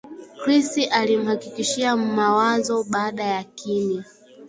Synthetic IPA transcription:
kɾistiʔalim̩hakikiʃiam̩mawazɔɓaːɗajakini

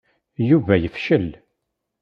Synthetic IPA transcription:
juvæjəfʃəl

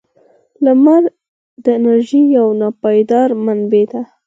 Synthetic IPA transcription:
lamaɾ | d̪əɪnaɾʒijawnɑpɑjd̪ɑɾmanbed̪a

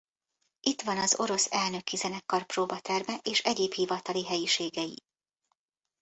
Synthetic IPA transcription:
ʔit̪ʋɒnɒzo̞̰ɾo̞sɛlnø̞kyzɛnɛkːɒrproːbɒt̪ɛrmɛʔeːʃɛɟeːphivɒt̪ɒliɦɛjiʃeːɡɛjḭ

